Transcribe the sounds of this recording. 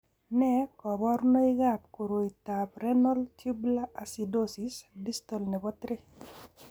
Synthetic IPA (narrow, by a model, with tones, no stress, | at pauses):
nɛ˦kɔ˨bɔ˦ɾnɔ˦ɪ˦ɡa˦˨p̚ko˨ɾo˨i˨t̪a˨pɾɛ˦nɔ˦lt͡ʃi˦bla˦ʔa˨si˨do˦si˨sdi˦st̪ɔ˨lnɛ˨bɔ˦t̪ɾɪ˦